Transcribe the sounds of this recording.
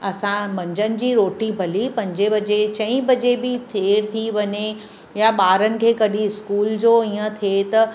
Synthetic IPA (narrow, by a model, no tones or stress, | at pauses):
ɐsãmɐ̃ɲd͡ʑənɪ̆d͡ʑiːɾoːʈibʱɐlipɐ̃ɲd͡ʑebɐd͡ʑet͡ɕɐ̃ĩbɐd͡ʑebɪt̪ʰeːɾt̪ʰiʋɐɲe | jaɓaːɾənɪ̆kʰeːkɐɗiɪskuːld͡ʑoːiːə̃t̪ʰet̪ɐ